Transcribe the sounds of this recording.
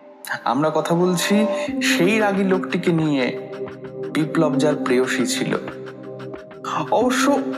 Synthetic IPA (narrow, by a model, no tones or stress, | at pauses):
a̰mɾakɔt̪ʰabolt͡ɕʰiʃejɾaɡilokʈikenije | biplɔb̚d͡ʑaɾpɾeoʃit͡ɕʰilo̰ | ɔboʃːo